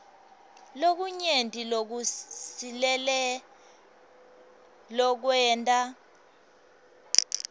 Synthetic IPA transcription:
lok̬uɲentʼilok̬usilɛlɛ | lɔk̬wɛntʼa

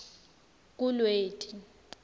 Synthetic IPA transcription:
k̬ʼulweːtʼi

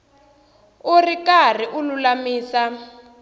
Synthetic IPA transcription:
urikar̤iʔululamiːsa

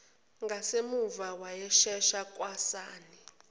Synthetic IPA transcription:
ŋɡʱasemuvawajɛʃɛʃakʼwasaːni

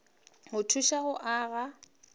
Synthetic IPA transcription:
hʊtʰuʃaɣʊʔaːɣa

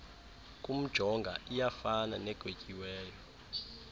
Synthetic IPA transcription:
kʼum̩d̥ʒ̥ʱɔŋɡʱaʔijafana̰nɛɡ̥ʱwecʼiwɛːjɔ

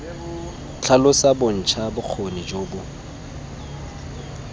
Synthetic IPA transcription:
t͡ɬʰalʊsabʊn̩t͡ʃʰabʊq͡χʰonid͡ʒoːbʊ

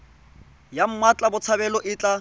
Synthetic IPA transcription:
jam̩mwat͡ɬʼabʊt͡sʰabɛlɔʔɪt͡ɬʼa

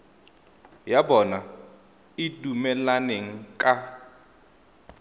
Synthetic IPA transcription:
jabɔna | ɪdumɛlaneŋ̩kʼa

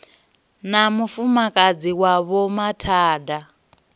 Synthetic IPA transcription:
namufumakʼad͡ziwaβɔmatʰaːda

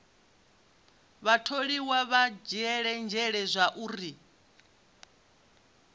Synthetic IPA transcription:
βatʰoɺiwaβad͡ʒɛɺɛnd͡ʒʱɛɺɛzʷaʔuɾi

